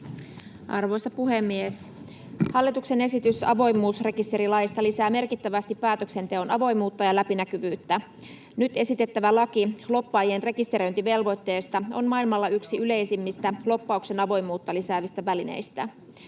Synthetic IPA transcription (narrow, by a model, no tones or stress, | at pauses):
ʔɑrʋo̞jsɑpuɦe̞mːies | hɑlːit̪ukse̞ne̞sit̪ysɑ̰ʋo̞jmˑuːsre̞kist̪e̞ɾilɑjist̪ɑlisæːme̞rkit̪ːæʋæst̪ipːæːt̪økse̞nt̪eo̞nɑʋo̞jmuːt̪ːɑjɑlæpinækyʋyːt̪ːæ | nyt̪e̞sit̪e̞t̪ːæʋælɑkilo̞pːɑːjienre̞kist̪e̞ɾo̞jnt̪iʋe̞lʋo̞jt̪ːe̞ːst̪ɑo̞̰nmɑilmɑlːɑyksiyle̞jsimːist̪ælo̞pːɑukse̞nɑʋo̞jmuːt̪ːɑlisæːʋist̪æʋæline̞̰jst̪æ